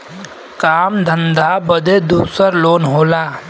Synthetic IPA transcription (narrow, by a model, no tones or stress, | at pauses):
kaːmd̪ʱə̃nd̪abəd̪ed̪uːsəɾloːnɦoːlaː